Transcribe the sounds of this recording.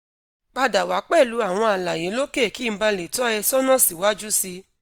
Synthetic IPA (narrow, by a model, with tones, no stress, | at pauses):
k͡pa˧da˨wa˨˦k͡pɛ˦˨lu˨˦a˦˨w̃ɔ̃˧a˨la˨je˨˦lo˦ke˦˨ki˦˧˦ba˧le˨tɔ˦ɛ˧sɔ˦nɔ̃˦˨si˨wa˨˦d͡ʒu˦si˧